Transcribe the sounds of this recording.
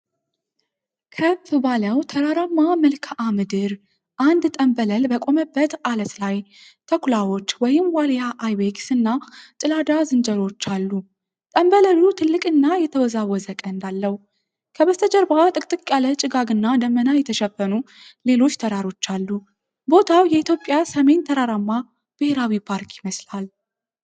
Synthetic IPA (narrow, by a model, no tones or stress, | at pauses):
kʰəbfɨbaləwt̪ʰəɾaɾamːaməlkʰaʔamɨd̪ɨɾ | ʔand̪t̪ʼəmbələlbəkʼo̞məbːət̪alət̪lajt̪ʰəkʰʷlawo̞t͡ʃːwɔjɪmwaljaʔajbeksɨnːat͡ʃ̪ʼɨlad̪azɨnd͡ʒəɾo̞t͡ʃːalːu | t̪ʼəmbələlut̪ʰɨlːɨkʼɨnːajɛt̪ʰəwɔzawɔzəkʼəɨnd̪alːəhu | kʰəbəst̪ʰəd͡ʒəɾbat̪ʼɨkʼt̪ʼɨkʼalət͡ʃʼɨɡaɡɨnːad̪əmːənajɛt̪ʰəʃɛfːənu | le̞lo̞t͡ʃːt̪ʰəɾaɾo̞t͡ʃːalːu | bo̞t̪ʰawjɛit̪jo̞pʼːjasəme̞nt̪ʰəɾaɾamːa | b̥ɨhe̞ɾawipʰaɾkʰjɪməslal